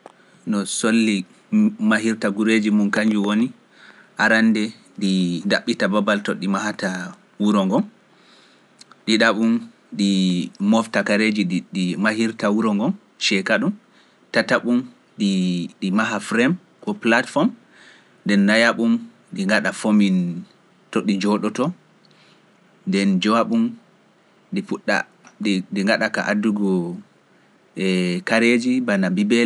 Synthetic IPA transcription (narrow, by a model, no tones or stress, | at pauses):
nɔsolːi | maɦiɾtaɡuɾed͡ʒimunkaɲd͡ʒuwoni | ʔaɾanːdɛ | didaɓːitababaltɔɗimahata | wuɾɔŋɡɔm | ɗiɗaɓum | ɗimɔftakaɾed͡ʒiɗimahiɾtawuɾɔŋɡɔm | ʃɛkaɗum | tataɓum | ɗiɗimaɦafɾɛm | kɔplatfɔm | ndɛnːajaɓum | ɗiŋɡaɗafomin | tɔɗid͡ʒɔɗɔtɔ | ndɛnd͡ʒɔwaɓum | ɗifuɗːa̰ | ɗidiŋɡaɗakaʔaduɡɔ | ɛkaɾed͡ʒibanabibɛl